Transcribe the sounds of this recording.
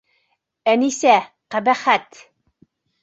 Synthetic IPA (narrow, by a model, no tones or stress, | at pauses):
ænisæ | qæbæχæt̪